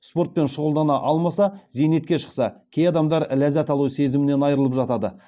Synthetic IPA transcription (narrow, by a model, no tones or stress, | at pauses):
spo̞ɾt̪̚pe̞nʃʊʁəlˠd̪ɑnɑʔɑlˠmɑsɑze̞jne̞t̪̚kʲe̞ʃə̥qsɑkʲʰe̞jɑd̪ɑmd̪ɑɾlæzæt̪ɑlˠuse̞zɪmɪne̞nɑjɾəlˠəpʒɑt̪ɑd̪ə̰